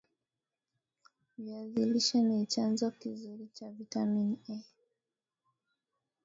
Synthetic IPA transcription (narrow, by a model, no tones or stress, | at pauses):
viaziliʃanit͡ʃanzɔkizuɾit͡ʃavitaminɛ